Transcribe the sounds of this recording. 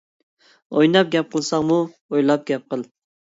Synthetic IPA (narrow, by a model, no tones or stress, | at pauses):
ojnɑp̚ɡʲɛp̚qʰəlˠsɑŋmu | ojlˠɑp̚ɡʲɛp̚qəlˠ